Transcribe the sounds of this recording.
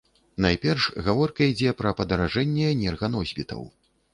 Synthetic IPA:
najpʲɛrʂɣavɔrkɐid͡zʲɛpɾɐpɐd̪ɐɾaʐɛnʲːɛnʲɛrɣɐnɔzʲbʲit̪ʰɐ̰w

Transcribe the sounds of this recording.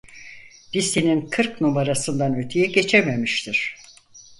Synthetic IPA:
d̪̥ist̪ʰininkʰɯɾknumaɾasɯnd̪anøt̪ʰyjɛɟe̞t͡ʃʰeme̞miʃt̪ʰiɾ̥

